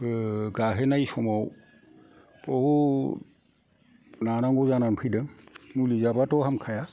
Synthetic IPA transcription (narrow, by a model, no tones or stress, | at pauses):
ɡaɦɛnajsɔmaw | pɔhu | nanaŋɡɔzananpʰɯdɯŋmulizabatɔɦhamkʰaja